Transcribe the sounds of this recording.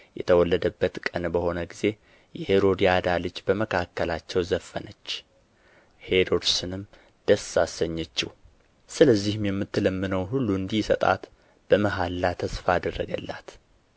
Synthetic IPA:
jɛ̰t̪ʰəwɔlːəd̪əbːət̪kʼənbəho̞nəɡize̞ | jɛhe̞ɾo̞d̪iad̪alɨd͡ʒːbəməkʰakːəlat͡ʃːɛwzəfːənət͡ʃː | he̞ɾo̞d̪sɨnɨm | d̪̥əsasəɲːɛt͡ʃːɪ̰h | sɨləzːihɨmjɛmːɨt̪ːɨləmːɨnəwɦulːuɨnd̪isət̪ʼa̰t̪ | b̥əməɦalːat̪ʰəsfaːd̪ərːəɡə̰lːa̰t̪

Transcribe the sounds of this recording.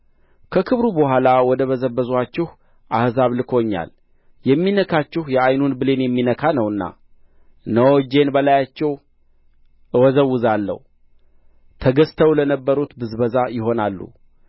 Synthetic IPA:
kʰəkʰɨβɾubəhalawɔd̪əβəzəbːəzat͡ʃːɪh | ʔahzaβlɨkʰo̞ɲːa̰l | jɛmːinəkʰat͡ʃːɪhjɛajnunbɨle̞njɛmːinəkʰanəwɨnːa̰ | nəwɔd͡ʒe̞nbəlajat͡ʃːɛw | ʔɨwɔzəwːɨzalːə̰h | t̪ʰəɡəst̪ʰəwlənəbːəɾut̪bɨzbəzajɪɦo̞nalːṵ

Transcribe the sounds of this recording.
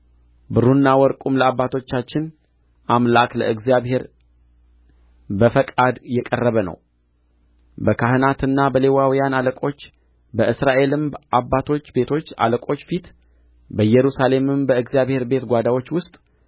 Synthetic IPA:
bɨɾunːawɔɾkʼumləabːat̪ʰo̞t͡ʃːat͡ʃːɪn | ʔamlaklə̰ɨɡzijaβhe̞ɾ | bəfəkʼad̪jɛkʼərːəβənə̰w | bəkʰahɨnat̪ɨnːabəle̞wawijanaləkʼo̞t͡ʃː | bəʔɨsɾaʔe̞lɨmʔabːat̪ʰo̞t͡ʃːbe̞t̪ʰo̞t͡ʃːa̰ləkʼo̞t͡ʃːfit̪ | bəjɛɾusale̞mɨmbəɨɡzjaβhe̞ɾbe̞t̪ɡʷad̪awo̞t͡ʃːwʊst̪ʼ

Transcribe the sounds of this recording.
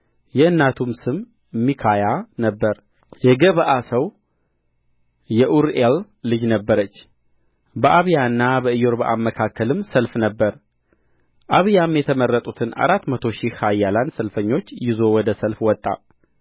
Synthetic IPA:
jɛɨnːat̪ʰumsɨm | ɨmːikʰajanəbːəɾ | jɛɡəβəʔasəw | jɛʔuɾelː | ɨd͡ʒnəbːəɾət͡ʃː | bəʔaβjaɨnːabəɨjo̞ɾbəʔamːəkʰakːəlɨmsəlfnəbːəɾ | ʔaβjamjɛt̪ʰəməɾːət̪ʼut̪ʰɨna̰ɾat̪ːmət̪ʰo̞ʃihhajːaland̪səlfəɲːo̞t͡ʃːjɪzo̞wɔd̪əsəlfwɔt̪ʼːa̰

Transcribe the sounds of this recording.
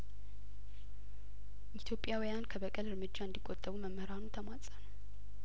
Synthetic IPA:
ʔit̪ʰjo̞pʼjawijankʰəbəkʼəlɨɾmɨd͡ʒːaɨnd̪ikʼːot̪ʼːəβuməmːəɾanut̪ʰəmat͡sʼənəw

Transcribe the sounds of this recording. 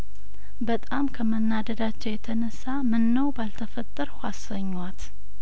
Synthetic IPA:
bət̪ʼamkʰəmənːad̪əd̪at͡ʃːɛwjɛt̪ʰənəsːamɨnːəwbalt̪ʰəfət̪ʼːəɾhʷasəɲːwat̪

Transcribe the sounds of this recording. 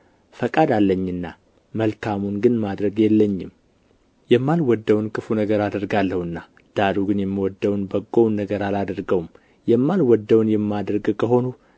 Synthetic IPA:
fəkʼad̪alːəɲːɨnːa | məlkʰamunɡɨnmad̪ɾəɡjɛlːəɲːɪm | jɛmːalwɔd̪ːəwnkʰɨfunəɡəɾad̪əɾɡalːəhɨnːa | d̪̥aɾuɡɨnjɛmːiwɔd̪ːəwnbəɡːownːəɡəɾalad̪əɾɡəwm | jɛmːalwɔd̪ːəwnjɛmːad̪ɾɡkʰəɦo̞nu

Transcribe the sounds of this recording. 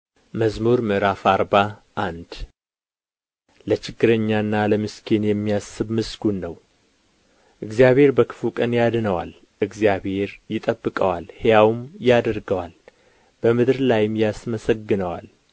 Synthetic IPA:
məzmuɾmɨɾafaɾbaʔand̪ | lət͡ʃɪɡːɨɾəɲːaɨnːaləmɨskʰenjɛmːijasːɨβmɨsɡunːəw | ʔɨɡzijaβhe̞ɾbəkʰɨ̥flukʼənjad̪ɨnəwa̰l | ʔɨɡzijabhe̞ɾjɪt̪ʼəbːɨkʼəwalhjawmjad̪əɾɡəwal | b̥əmɨd̪ɾlajɪmjasməsəɡːɨnəwa̰l

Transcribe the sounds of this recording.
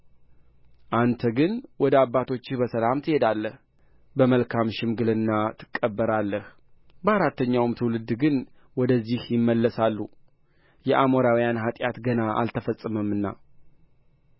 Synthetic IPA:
ʔant̪ʰəɡɨnwɔd̪əabːat̪ʰo̞t͡ʃːɪhbəsəlamt̪ʰɨhed̪alːəh | bəməlkʰamʃɪmɡɨlɨnːat̪ʰɨ̥kʼːəbːəɾalːəh | bəaɾat̪ːəɲːawmt̪ʰɨwlɨd̪ːɡɨn | wɔd̪əzːihjɪmːəlːəsalːu | jɛʔamoɾawjanɦat̪ʼjat̪ɡənaʔa̰lt̪ʰəfəsʼːɨməmːɨnːa̰

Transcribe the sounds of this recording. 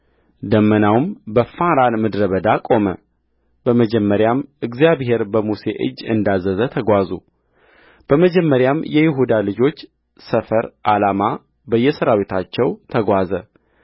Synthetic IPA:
d̪əmːənawmbəfaɾanmɨd̪ɾəβəd̪akʼo̞mə̰ | b̥əməd͡ʒɛmːəɾjamɨɡzijaβhe̞ɾbəmuse̞̰ʔɨ̰d͡ʒːɨnd̪azːəzət̪ʰəɡʷazu | b̥əməd͡ʒɛmːəɾjamjɛjɪɦud̪alɨd͡ʒo̞t͡ʃː | səfəɾʔalama | bəjːɛsəɾawet̪ʰat͡ʃːɛwt̪ʰəɡʷazə

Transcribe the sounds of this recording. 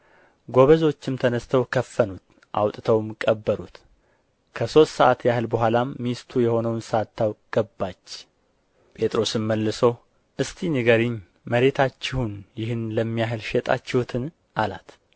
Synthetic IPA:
ɡo̞βəzo̞t͡ʃːɪmt̪ʰənəst̪ʰəwkʰəfːənut̪ | ʔa̰wt̪ʼt̪ʰəwmkʼːəbːəɾut̪ | kʰəso̞st̪səʔat̪jahɨlbəhʷalamːist̪ʰujɛho̞nəwnsəat̪ːawkʼɡ̥əbːat͡ʃː | pʼe̞t̪ʼɾo̞sɨmːəlːɨso | ʔɨst̪ʰinɨɡəɾiɲ | məɾe̞t̪ʰat͡ʃːɪhunjɪhɨnləmːijaɦɨlʃɛt̪ʼa̰t͡ʃːɛhut̪ʰɨn | ʔala̰t̪

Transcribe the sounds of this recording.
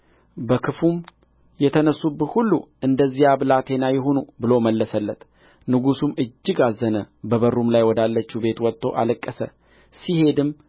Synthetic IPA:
bəkʰɨfum | jɛt̪ʰənəsːubət̪hulːuʔɨnd̪əzːijaβlat̪ʰe̞najɪɦonubɨlo̞məlːəsəlːət̪ | nɨɡusumɨd͡ʒːɪɡazːənəbəβərumlajwɔd̪alːət͡ʃːube̞t̪wɔt̪ʼːo̞ʔa̰ləkʼːəsə̰ | sihe̞d̪ɨm

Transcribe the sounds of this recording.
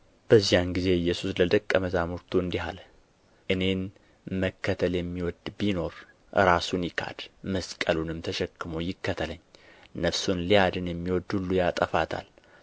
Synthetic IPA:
b̥əzːijanɡize̞ɨjːɛsusləd̪əkʼːəməzamuɾt̪ʰuɨnd̪iɦa̰l | ʔɨne̞n | məkːət̪ʰəljɛmːiwɔd̪bino̞ɾ | ʔɨɾasunjɪkʰa̰d̪̥məskʼəlunɨmt̪ʰəʃɛkːɨmojɪkːət̪ʰələɲːnəfsunlijad̪ɨnjɛmːiwɔd̪hulːujat̪ʼəfat̪ʰa̰l

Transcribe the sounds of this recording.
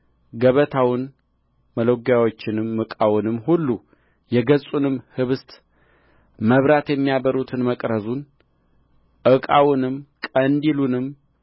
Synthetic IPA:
ɡəβət̪ʰawɪn | mələwɡjawo̞t͡ʃːɪnɨmːɨkʼawʊnɨmːhulːu | jɛɡəsʼunɨmhɨβɨst̪ | məβɾat̪jɛmːijaβəɾut̪ʰɨnməkʼɾəzun | ʔɨkʼawʊnɨmkʼənd̪ilunɨm

